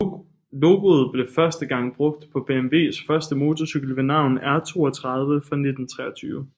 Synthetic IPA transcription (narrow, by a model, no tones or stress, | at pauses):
lo̝ːɡ̥o̝ð̞̩ˠb̥le̝fɶɐsd̥əɡ̥ɑ̈ŋ̰b̥ʁɔ̽ɡ̥̚d̥pʰɒ̽b̥e̝emʋe̝̰ːsfɶɐsd̥əmo̝ːt͡sʰɒsyɡ̥l̩ʋe̝nɑ̈ʊ̰næɐt͡sʰo̝̰ːɒt͡sʰʁɑ̈ð̞ˠʋəfɑ̈ne̝d̥n̩t͡sʰʁɛ̰ɐt͡sʰyːʋə